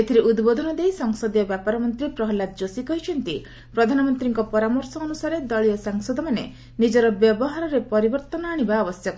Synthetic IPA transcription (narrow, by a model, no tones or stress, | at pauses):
et̪ʰiɾiʔud̪bod̪ʱɔnɔd̪ejsɔŋsɔd̪ijɔbjapaɾɔmɔnt̪ɾipɾɔɦɔlat̪̚d͡ʒosikɔɦit͡ʃʰɔnt̪i | pɾɔd̪ʱanɔmɔnt̪ɾiŋkɔpɔɾamɔɾsɔːnusaɾed̪ɔɭijɔsaŋsɔd̪ɔmanḛ | nid͡ʒɔɾɔbjɔbɔɦaɾɔɾepɔɾibɔɾt̪ɔnɔaɽ̃ibaːbɔsjɔk